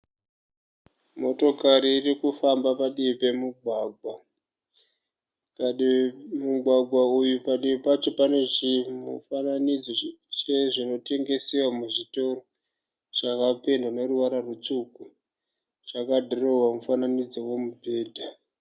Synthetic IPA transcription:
mo̞to̞kaɾiːrikufambapaɗiipe̞muɡʱwaːɡʱwa | pamuɡʱwaɡʱwaujupaɗiipat͡ʃo̞pane̞ʐimṵfananid͡zot͡ʃeʐino̞te̞ŋɡe̞sewamuʐito̞ro | t͡ʃakapendone̞ruʋaɾarut͡suku | t͡ʃakadʱorowamufananid͡zo̞we̞mubʱe̞ːdʱa

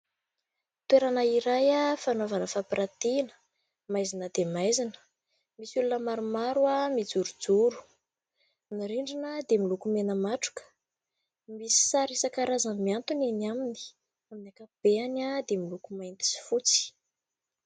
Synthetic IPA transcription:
t̪weɾanaiɾajafanovanəfapiɾat̪inə̥ | majzinəd̪emajzinə̥ | misulunəmaɾumaɾuamid͡zuɾud͡zuɾu̥ | niɾiɳɖ͡ʐinəd̪emilukumenəmaʈ͡ʂu̥kə̥ | misi̥saɾesakaɾazanmiant̪unenamini̥ | aminakab̥eanad̪emilukumajnt̪i̥si̥fut͡si̥

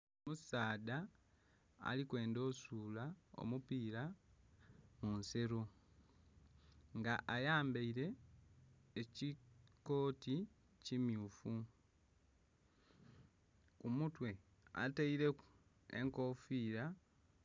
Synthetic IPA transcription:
omusaːda | a̰likwe̞ːndo̞suːlao̞̰mupiːɾa | munse̞ɾo | ŋɡaʔajaːmbeiɾe̞ː | ciko̞ːti | cimjuːfu | umutwe̞ | a̰taiɾe̞ku | e̞̰ŋko̞fiːɾa

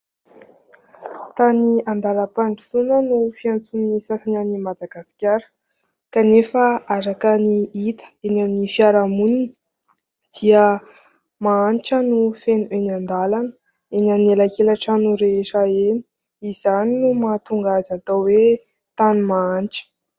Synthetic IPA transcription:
t̪aniand̪aləpaɳɖ͡ʐi̥sunənufiant͡sunisasananimad̪aɡasi̥kʲaɾə̥ | kanefəaɾakəniit̪ə̥enaminifiaɾamunin | d̪̥iə | maanʈ͡ʂənufenuenand̪alanə | enanelakelaʈ͡ʂanuɾeeʂaeni̥ | izaninumat̪uŋɡazat̪awe | t̪animaaniʈ͡ʂə̥

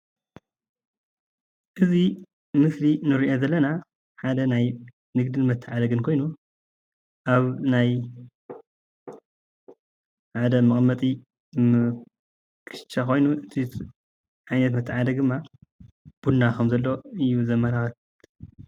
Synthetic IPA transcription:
ʔɨzi | mɨslinɨɾiʔo̞zɐlːɐna | ħad̪ɐnaj | nɨɡd̪ɨnmɐt̪ʰːɨʕad̪ɐɡɨnkʰo̞jnu | ʔaβnaj | ʕad̪ɐmɨkʼmɐt̪ʼi | kʰɨ̥ʃt͡ʃːako̞jnuʔɨt̪ʰi | ʕajnɐt̪mɐt̪ʰːɨʕad̪ɐɡd̪ɨmːa | b̥udnakʰɐmzɐlːo̞ɨjːuzɐmːɐlaxɐt

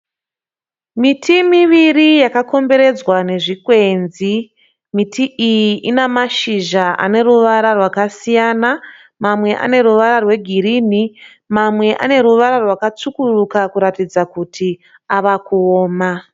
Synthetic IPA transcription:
mitʰimiʋirijakako̞mbe̞ɾe̞d͡zwane̞ʐikwe̞nzi | mitʰiʔijiʔinamaʃiʒaʔa̰ne̞ruʋaɾarwakasijana | mamwe̞ʔa̰ne̞ɾuʋaɾarwe̞ɡʱiɾini | mamwe̞ʔa̰ne̞ɾuʋaɾarwakat͡sukurukakuɾatid͡zakutʰi | aʋakuoːma

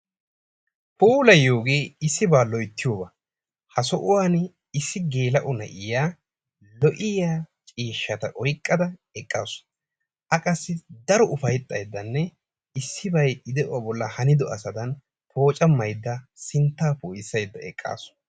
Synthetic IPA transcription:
puːlɐjoːɡeːɪsːɪbaːlɔjt̪ːɪjoːbɐ | hɐsɔʔʊwaːn | ɪsːɪɡe̞ːlɐʔɔnɐ̰ʔɪjaː | lɔʔɪjaːt͡ʃʼiːʃːɐt̪ɐʔɔjkʼːɐd̪ɐɛkʼːa̰ːsʊ̥ | ʔɐkʼɐsːɪd̪ɐɾɔʔʊfɐjt̪ʼːɐjd̪ːɐnːɛ | ɪsːɪbɐjɪd̪ɛʔʊwaːbɔlːɐhɐnɪd̪ɔʔɐsɐd̪ɐn | pʰo̞ːt͡ʃʼɐmːɐjd̪ːɐsɪnt̪ːaːpoːjɪsːɐjd̪ːɐɛkʼːa̰ːsʊ̥

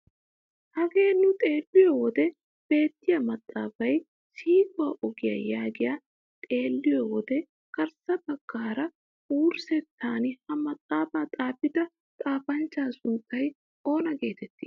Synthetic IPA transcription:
hɐɡe̞ːnːʊt̪ʼe̞ːlːɪjɔwɔd̪ɛ | b̥e̞ːt̪ːɪjɐmɐt̪ʼːaːfɐj | siːɡʊwaːʔɔɡɪjɐ̰jaːɡɪja | t̪ʼe̞ːlːɪjɔwɔd̪ɛ | kɐɾsɐbɐɡ̥ːaːɾɐ | uːɾsɛt̪ʰːaːnɪhɐmɐt̪ʼːaːbaːt̪ʼaːpɪd̪ɐ | t̪ʼaːfɐnt͡ʃːaːsʊnt̪ːɐj | o̞ːnɐɡe̞ːt̪ɛt̪ːɪ̥

